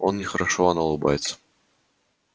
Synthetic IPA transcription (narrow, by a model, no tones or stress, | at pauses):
onnʲɪxəɾɐʂoɐnɐlˠɨba̰jɪt̪sə̥